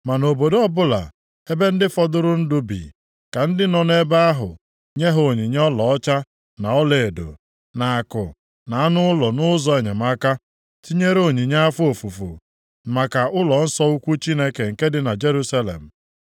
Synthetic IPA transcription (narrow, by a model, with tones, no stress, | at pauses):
ma˨no˨bo˨do˦ɔ˦bʊ˦la̰˨ | e˦be˦n̩˦dɪ˦fɔ˦dʊ˦ɾʊ˦n̩˦dʊ˦bḭ˨ | ka˨n̩˦dɪ˦nɔ˨ne˦ba˦a˦ɦʊ̰˨ | ɲe˦ɦo˨ɲi˨ɲ˦ɔ˦lɔ˨ɔ˦t͡ʃa˦ | na˨ɔ˦le˨e˨do̰˨ | na˨a˨kʊ̰˨ | na˨a˦nʊ˦ʊ˦lɔ˨nʊ˦zɔ˦e˨ɲe˨ma˦ka˦ | ti˦ɲe˦ɾo˨ɲi˨ɲa˦a˦fu˦o˨fu˨fṵ˨ | ma˨ka˨ʊ˦lɔ˨n̩˦sɔ˦u˦kʷu˦t͡ʃi˦ne˦ke˨ŋ̩˨ke˦dɪ˦na˨d͡ʒe˦ɾu˦sa˦lḛ˨m̩˨